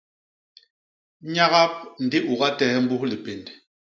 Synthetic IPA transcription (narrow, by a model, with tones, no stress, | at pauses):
ɲa˦ɣa˦p̚n̩˨di˦ʔu˨ɣa˦tɛ˦m̩˦bu˦hli˨pe˨nd